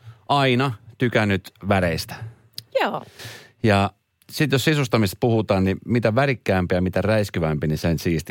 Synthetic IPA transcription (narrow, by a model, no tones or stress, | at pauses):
ɑinɑt̪ykænːyt̪ʋæɾeist̪æ̥ | joː | jɑ | sit̪jossisust̪ɑmist̪puhut̪ɑːnnimit̪æʋærikːæːmpijɑmit̪æræiskyʋæmpinisensiːst̪i